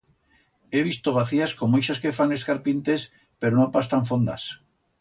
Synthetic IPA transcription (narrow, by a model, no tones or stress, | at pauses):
eβ̞ist̪oβaθiaskomoejʃaskefaŋeskaɾpint̪es | peɾonõpast̪aɱfond̪a̰s